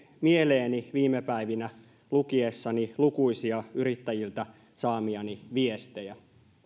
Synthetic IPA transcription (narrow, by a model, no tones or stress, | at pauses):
mie̞leːniʋiːmːepæiʋinæ | lukiesːɑnilukuisiɑyɾit̪ːæjilt̪æ | sɑːmiɑniʋie̞st̪ejæ